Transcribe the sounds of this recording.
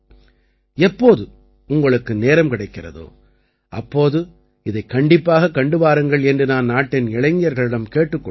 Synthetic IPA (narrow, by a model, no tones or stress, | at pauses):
ɛpːoːðɯ | ʊŋɡɐɭɯkːɯneːɾɐmkɪɽɐɪkːɪrɐ̰ðo̰ː | ʔɐ̰pːoːðɯ | ɪðɐɪkːɐɳɖɪpːaːɣɐkːɐɳɖɯʋaːɾɯŋɡɐɭɛndrɯnaːnnaːʈːɪnɪɻɐɪŋɪjɐɾɣɐɭɪɽɐmkeːʈːɯkːɔ